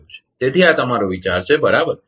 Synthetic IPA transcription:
t͡ʃʰe̥t̪et̪ʰiat̪əmaɾoʋit͡ʃaɾt͡ʃʰebəɾabəɾ

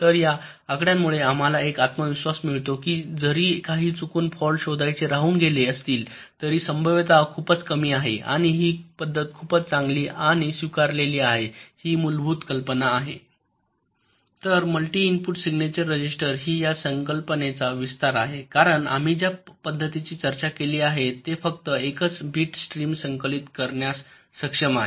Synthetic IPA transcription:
t̪əɾjaː | kɽjamːuɭeam̤alaekat̪məʋiɕʋasmiɭt̪okiːd͡zəɾiːkaɦiːt͡sukuːnfɔlɕod̪ʱajt͡seɾaɦuːnɡʱeleəst̪iːl | t̪əɾiːsəmbʱəʋt̪akʰuːpət͡skəmiːaɦḛʔa̰ɽ̃iɦiːpəd̪ʱːət̪̚kʰuːpət͡st͡sãŋɡliːʔaɽ̃isʋikaɾleliːaɦehiːmulbʱuːt̪kəlpənaːɦe | t̪əɾməlʈiːinpuʈsiɡnet͡ɕəɾːəd͡ʑisʈəɾɦiːjasəŋkəlpənet͡saʋist̪aɾaɦekaɾəɳa̰m̤id͡ʑjapəd̪ʱːət̪it͡ɕiːt͡ɕəɾt͡ɕakeliːaɦet̪efək̚t̪əekət͡sbʱiːʈsʈɾiːmsəŋkəlit̪kəɾɳjasː | əkʂəmaɦe

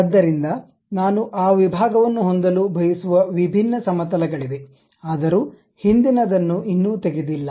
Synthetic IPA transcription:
ɐd̪ːɐɾind̪ɐ | naːnuʔaːʋibʱaːɡɐʋɐnːuɦond̪ɐlubʱɐjisuʋɐʋibʱinːɐsɐmɐt̪ɐlɐɡɐɭiʋe̞ | aːd̪ɐɾuː | hind̪inɐd̪ɐnːuinːuːt̪eɡed̪ilːɐ

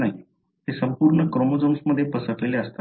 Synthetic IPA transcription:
nai | t̪esəmpuːɾɳəkɾomod͡zomsməd̪ʱːjepəsəʈleleəst̪a

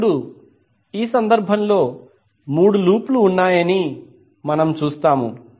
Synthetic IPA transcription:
ɽu | iːsɐnd̪ɐɾbʱɐmlo̞ː | muːɽuluːpluːnːaːjɐni | mɐnɐmt͡ʃuːst̪aːmṵ

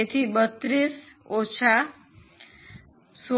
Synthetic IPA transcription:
et̪ʰibət̪ːɾisot͡ʃʰa | so

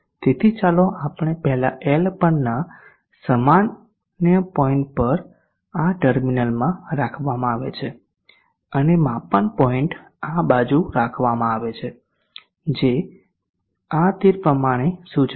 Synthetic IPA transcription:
t̪et̪ʰit͡ʃaloʔapəɳ̃epɛɦlaʔɛlpənːa | səman | njəpɔiɳʈ̚pəɾ | aʈəɾminəlmãɾakʰʋamãaʋet͡ʃʰe | ənemãpəɳpɔiɳʈ | abad͡ʒuɾakʰʋamãaʋet͡ʃʰe | d͡ʒe | at̪iɾpɾəmaɽ̃esut͡ʃ

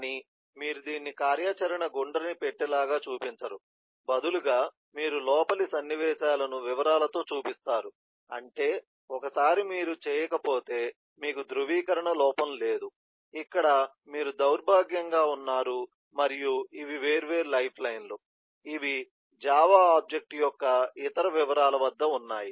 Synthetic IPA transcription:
ni | miːɾud̪iːnːikaːɾjaːt͡ʃɐɾɐɳɐɡoɳɖɐɾnipeʈːɛlaːɡaːt͡ʃuːpiɲt͡ʃɐɾu | bɐd̪uluɡaː | miːɾulɔːpɐlisɐnːiʋɛːʃaːlɐnuʋiʋɐɾaːlɐt̪o̞ːt͡ʃuːpist̪aːɾu | ɐ̰ɳʈe̞ː | ɔkɐsaːɾimiːɾut͡ʃɛːjɐkɐpo̞ːt̪e̞ː | miːkud̪ɾuʋiːkɐɾɐɳɐlɔːpɐmle̞ːd̪u | ikːɐɽɐ | miːɾud̪ɐwɾbʱaːɡjɐŋɡaːunːaːɾu | mɐɾijuiʋiʋe̞ːɾʋe̞ːɾulɐjpʰlɐjnlo | iʋi | d͡ʒaːʋaːaːb̚d͡ʒek̚ʈjɔkːɐit̪ɐɾɐʋiʋɐɾaːlɐʋɐd̪ːɐunːaːji

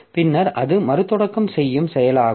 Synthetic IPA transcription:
pɪnːɐɾʔɐðɯmɐɾɯt̪ːɔɽɐkːɐmsɛjːɯmsɛjɐlaː

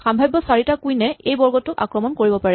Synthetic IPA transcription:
xambʱajbːɔsaɹitakujnɛejbɔɹɡɔtːʊka̰kɹɔmɔnkoɹibɔpaɹɛ

